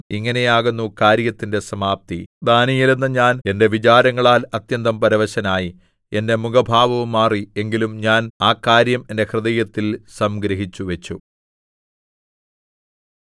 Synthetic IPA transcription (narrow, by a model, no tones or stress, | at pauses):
iŋːɐne̞jaːɣunːukaːɾjɐt̪ːinde̞sɐmaːp̚t̪id̪aːnijilenːɨɲaːne̞nde̞ʋit͡ɕaːɾɐŋːɐɭaːlɐt̪jɐnd̪ɐmpɐɾɐʋɐɕɐnaːji | e̞nde̞muɡɐbʱaːʋɐʋumːaːrie̞ŋɡilumɲaːnaːkːaːɾjɐme̞nde̞hrɨd̪ɐjɐt̪ːilsɐmɡɾɐɦit͡ɕːuʋe̞t͡ɕːu